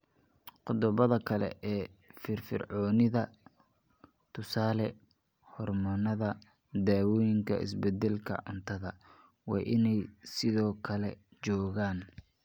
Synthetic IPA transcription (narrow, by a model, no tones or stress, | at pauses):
qʊðɔβɐðɐkʰɐlɛ̰ʔɛːfɪrfɪ̰rʕɔːnɪðɐ | t̪ʰʊsaːlɛ | hɔrmɐnɐðɐ | d̪aːwɔːjɪŋkʰɐ̰ɪ̰sbɛd̪ɛlkʰɐ̰ʕʊ̰nt̪ʰɐðɐ | wɑ̰ːʔɪnɛjsɪðɔːkʰɐlɛ̰t͡ʃɔːɣaːn